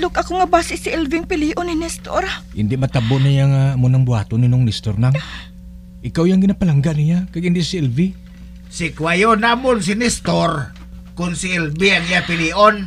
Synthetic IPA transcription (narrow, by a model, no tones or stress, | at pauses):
lʊkɐkoŋabaːsɪʔsiʔɛlvɪŋpɪliːʔonːɪnɛst̪o̰ɾʔɪ̰nd̪ɪʔmat̪aboʔnajaŋaːmʊnaŋbua̰ːt̪oninoŋnɛst̪oɾnaŋ | ʔɪkawjaŋɡɪnapalaŋɡanijakaɡɪnd̪ɪʔsiɛlvi | sikwajonamʊns̬inɛst̪oɾ | kʊnsiɛlbiaŋijapɪliːʔon